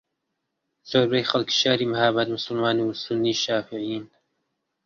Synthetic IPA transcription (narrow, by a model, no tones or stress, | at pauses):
z̥oːɾbejxɐlki̥ʃaːɾiːmahaːbat̪mʊsʊlmaːnsʊnːiːʃaːfɪʕijiːn